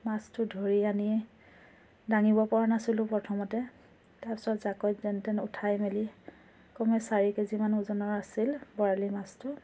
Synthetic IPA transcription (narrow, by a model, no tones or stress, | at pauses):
mastʊdʱɔɹiani | daŋibɔpɔɹanasilʊ̃pɹɔtʰɔmɔtɛ | taɹpɔ̥sɔtzakɔjtzɛntɛnutʰajmeli | kɔmɛsaɹikezimanuzɔnɔɹasilbɔɹalimastʊ